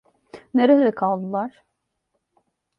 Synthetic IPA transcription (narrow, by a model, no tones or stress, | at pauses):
neɾelʲɛkʰalˠd̪ɯlˠaɾ̥